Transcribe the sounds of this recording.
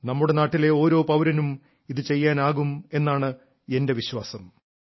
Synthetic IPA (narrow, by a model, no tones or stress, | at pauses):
nɐmːuɽe̞naːʈːile̞o̞ːɾo̞ːpɐwɾɐnum | iðɨt͡ɕe̞jːaːnaːɣume̞nːaːɳɨ | e̞nde̞ʋiɕwaːsɐm